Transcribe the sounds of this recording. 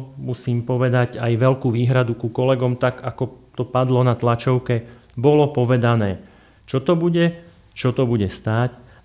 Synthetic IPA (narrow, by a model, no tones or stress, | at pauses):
musiːmpɔʋɛd̪aɟajʋɛlkuːʋiːɦɾad̪ukukɔlɛɡɔmt̪aɡakɔt̪ɔpad̪lɔnat̪lat͡ʃɔʊkɛ | bɔlɔpɔʋɛd̪anɛː | t͡ʃɔt̪ɔbuɟɛ | t͡ʃɔt̪ɔbuɟɛst̪aːc